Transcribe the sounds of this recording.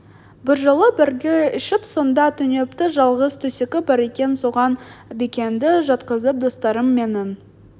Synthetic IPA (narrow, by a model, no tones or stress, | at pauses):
bɪɾʒəlˠəbɪɾɡʲeɪʃɪpso̞nd̪ɑt̪ʰɵne̞pt̪ɪʒɑlˠʁəzt̪ʰɵsekʲɪbɑɾe̞kʲe̞nso̞ʁɑnbekʲe̞nd̪ɪʒɑt̪qəzəp̚d̪o̞st̪ɑɾəmːe̞nɪn